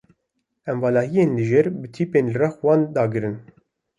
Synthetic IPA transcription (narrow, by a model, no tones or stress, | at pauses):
ɛmvɑːlɑːɦijeːnliʒɛɾbɨt̪ʰiːpeːnlɨrɑxwɑːnd̪ɑːɡɨɾɨn